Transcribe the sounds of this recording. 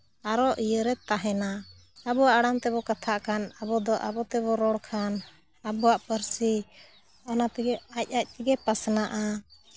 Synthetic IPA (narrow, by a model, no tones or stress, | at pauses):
aɾɔʔijəɾɛt̪aɦɛna | abɔwaʔaɽamt̪ɛbɔkat̪ʰaʔkʰanabɔd̪ɔʔabɔt̪ɛbɔɾɔɽkʰan | abɔwaʔpəɾsi | ɔnat̪iɡɛac̚ˀac̚ˀt̪iɡɛpasnaʔa